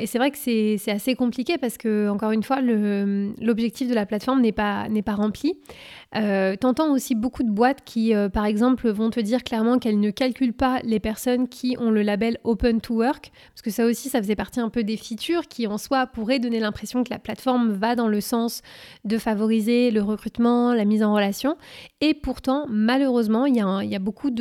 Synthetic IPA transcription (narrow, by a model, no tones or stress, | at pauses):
esɛvʁɛkə̥sɛsɛt̪asekɔ̃plikʲepaʁsə̥kəɑ̃kɔʁynfwaləmlɔbʒɛk̚t̪ifd̪əlaplat̪fɔʁmnɛpanɛpaʁɑ̃pli | øt̪ɑ̃t̪ɑ̃osibokud̪əbwat̪kʲʰiøpaʁɛɡzɑ̃plvɔ̃t̪əd̪iʁklɛʁmɑ̃kɛlnəkalkʲylpalepɛʁsɔnkʲʰiʔɔ̃ləlabɛlopɛnt̪ʰuwœʁk | pḁʁskəsaosisafəzɛpaʁt̪iɛ̃pød̪efit̪yʁkʲiɑ̃swapuʁɛd̪ɔnelɛ̃pχesjɔ̃kəla̰plat̪fɔʁmvad̪ɑ̃ləsɑ̃sd̪əfavɔʁizeləʁəkχyt̪mɑ̃lamizɑ̃ʁəlasjɔ̃epuʁt̪ɑ̃maløʁøzmɑ̃iljãiljabokʰud̪